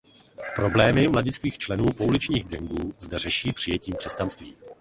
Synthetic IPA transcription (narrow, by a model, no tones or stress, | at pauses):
pɾo̞blɛːmɪmlaɟɪsk̪viːxt͡ʃlɛnuːpoulɪt͡ʃɲiːɣɡɛŋɡuːzdɛrɛʃiːpr̝̥ɪjɛciːmkr̥ɛscanst̪viː